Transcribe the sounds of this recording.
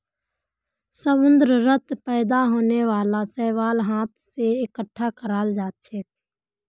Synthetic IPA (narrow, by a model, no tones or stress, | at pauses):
səmʊ̃nd̪ɾəɾət̪pɛːd̪aɦoːneʋaːlasɛːʋaːlɦaːt̪ʰseɪkəʈʰːakəɾaːld͡ʒaːt̪̚t͡ʃʰeː